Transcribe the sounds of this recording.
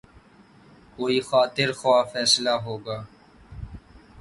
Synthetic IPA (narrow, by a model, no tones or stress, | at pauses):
koːiːxaːt̪ɪɾxwaːfɛːslaɦoːɡaː